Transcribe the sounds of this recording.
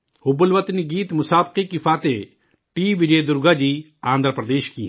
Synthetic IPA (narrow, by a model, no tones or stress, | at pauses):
hʊbəlʋət̪əniɡiːt̪mʊsaːbqikifʰaːt̪e | ʈiːʋɪd͡ʒeːd̪ʊɾɡaːd͡ʒiː | ãːnd̪ɾpɾəd̪eːʃkḭ